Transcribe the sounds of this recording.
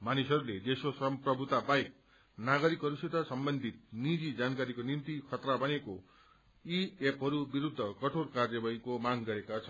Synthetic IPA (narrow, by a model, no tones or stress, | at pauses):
manisʌɾuled̪esosʌmprʌbʱut̪abaek̚ | naɡʌɾikɦʌɾuset̪ʌsʌmbʌnd̪ʱit̪̚nid͡zid͡zankaɾikonimt̪ikʰʌt̪rabʌneko | iepɦʌɾubiɾud̪ʱːʌkʌʈʰorkarjʌbʌikomaŋɡʌɾekat͡sʰʌn